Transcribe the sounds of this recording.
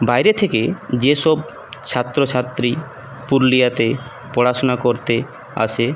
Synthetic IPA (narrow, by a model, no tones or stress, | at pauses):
bajɾet̪ʰeked͡ʑeʃɔb | t͡ɕʰat̪ːɾot͡ɕʰat̪ːɾi | puɾlijat̪e | pɔɽaʃonakoɾt̪e | a̰ʃʰe